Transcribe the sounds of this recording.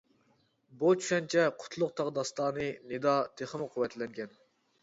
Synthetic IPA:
but͡ʃʰy̥ʃɛnt͡ʃʰɛqʰʊ̥t̪ʰlˠʊq̚t̪ʰɑʁd̪ɑst̪ɑːnɨned̪ɑt̪ʰeχəmqʰʊwɛt̪ʰlɛŋɡʲɛn

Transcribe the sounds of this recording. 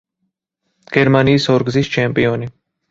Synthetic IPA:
ɡ̥ɛɾmaniːsɔɾɡzist͡ʃʰɛmpʼiɔni

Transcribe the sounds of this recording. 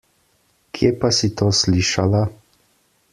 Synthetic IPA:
kʰjepasit̪oːsliːʃala

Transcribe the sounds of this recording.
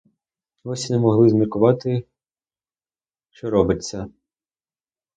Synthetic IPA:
ɔsʲinɛmɔɦlˠɪzmʲirkʊʋɑt̪ɪ | t͡ʃɔɾɔbɪt͡sʲːɐ

